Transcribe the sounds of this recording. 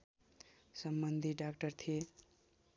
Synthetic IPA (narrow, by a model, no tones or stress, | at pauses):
sʌmbʌnd̪ʱiɖakʈʌrt̪ʰie